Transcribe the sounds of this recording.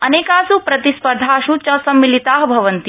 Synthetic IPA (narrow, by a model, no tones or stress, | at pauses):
ɐneːkaːsupɾɐt̪ispɐɾd̪ʱaːʃut͡ʃɐsɐmːilit̪aːɦbʱɐʋɐnt̪i